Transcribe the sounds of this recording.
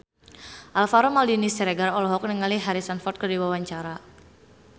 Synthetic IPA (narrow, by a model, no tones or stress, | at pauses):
ʔalfaɾɔmaldinisɛɾɛɡaɾɔlɔɦɔk̚nəŋaliɦaɾisanfɔrt̪̚kərdiwawaɲt͡ʃaɾa